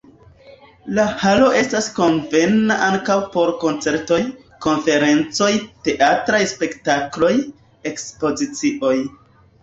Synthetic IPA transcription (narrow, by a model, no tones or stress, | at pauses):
lahalo̞ʔe̞stasko̞nve̞naʔaŋkawpo̞ɾko̞nt͡se̞ɾto̞j | ko̞nfe̞ɾe̞nt͡so̞jte̞ʔatɾajspe̞ktaklo̞j | e̞kspo̞zit͡siʔo̞j